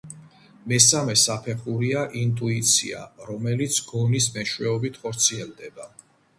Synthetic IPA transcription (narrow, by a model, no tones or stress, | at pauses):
mɛsamɛsapʰɛχuɾiaʔint̪ʼuit̪sʰḭa̰ɾɔmɛlit̪sʰɡ̥ɔnismɛʃwɛɔbit̪ʰχɔɾt̪sʰiɛld̪ɛba